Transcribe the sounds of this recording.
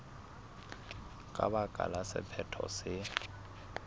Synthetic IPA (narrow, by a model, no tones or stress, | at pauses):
kʼabakʼalasɪpʰɛtʰɔsɪ